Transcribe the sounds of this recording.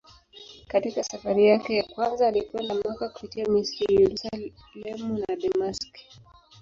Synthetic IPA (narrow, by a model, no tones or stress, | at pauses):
katikasafaɾijakɛjakwanzaːlikwɛndamwakaku̥pitiamistijɛɾusa | lɛmunaɗamask